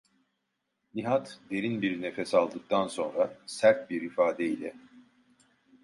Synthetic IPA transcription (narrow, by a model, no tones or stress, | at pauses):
nʲiɦat̪d̪e̞ɾinbiɾne̞fesalˠd̪ɯk̚t̪ʰanso̞nɾasæɾt̪̚biɾifaːd̪ɛilʲɛ̰